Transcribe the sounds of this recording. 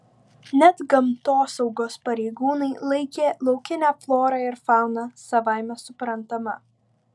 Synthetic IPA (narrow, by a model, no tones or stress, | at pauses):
nʲɛt̪ɡɐmt̪oːsɒʊɡoːspɐɾʲɛɪɡuːnɐɪlˠɐɪkʲeːlˠɒʊkʲɪnʲæːflˠoːɾɑːɪɾfɑˑʊnɑsɐʋaˑɪmʲɛsʊpɾɐnt̪ɐmɐ̰